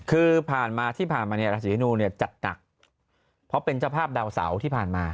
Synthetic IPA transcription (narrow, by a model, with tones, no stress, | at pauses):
kʰɯː˧pʰaː˨˩nmaː˧t̪ʰiː˥˩pʰaː˨˩nmaː˧ni˥˩ɐɾa˦˥t͡ɕʰiː˨˩a˦nuː˧ni˥˩ɐt͡ɕa˨˩t̪̚na̰˨˩k̚ | pʰɔ˦˥pe˧nt͡ɕaː˥˩wpʰaː˥˩p̚da˧wsa̰˩˦wt̪ʰiː˥˩pʰaː˨˩nmaː˧